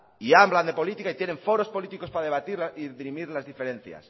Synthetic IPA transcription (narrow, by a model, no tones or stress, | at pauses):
iambland̪e̞po̞lit̪ikait̪je̞nẽ̞ɱfo̞ɾo̞spo̞lit̪iko̞spaaðe̞β̞at̪iɾlaiðɾimiɾlazðife̞ɾẽ̞n̟θja̰s